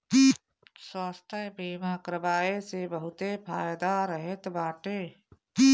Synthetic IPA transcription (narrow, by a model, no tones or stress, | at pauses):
swaːst̪ʰə̃biːmaːkɾəbaːesebəɦʊt̪epʰaːjd̪aɾəɦet̪baːʈeː